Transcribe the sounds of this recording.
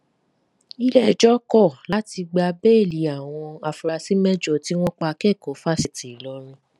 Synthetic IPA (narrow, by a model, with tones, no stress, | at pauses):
i˦lɛ˦˨d͡ʒɔ˦kɔ˦˨la˨˦ti˧ɡ͡ba˧be˦˨li˨˦a˨w̃ɔ̃˧a˧fu˧ɾa˧si˦mɛ˦d͡ʒo˦˨ti˦w̃ɔ̃˦k͡pa˧kɛ˦˨ko˨˦fa˦si˦˨ti˨lɔ˨˦ɾ̃ũ˧